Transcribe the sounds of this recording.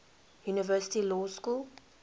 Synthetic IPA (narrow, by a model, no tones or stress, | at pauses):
juːnɪvɜːsɪ̥tilɔːskul